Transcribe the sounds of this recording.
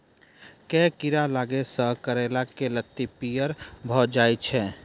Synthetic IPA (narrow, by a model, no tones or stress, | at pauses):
kɛkiɾalaːɡesəɦkəɾelakelət̪ːipijəɾbʱɔd͡ʒaːjt͡ʃʰɛː